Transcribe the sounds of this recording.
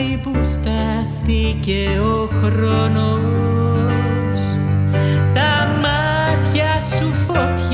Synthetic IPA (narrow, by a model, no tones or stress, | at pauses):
jbusta | θɪɡɛ | ɔ | xɾɔnɔ | s | d̥ama | dja | sufʊtʰ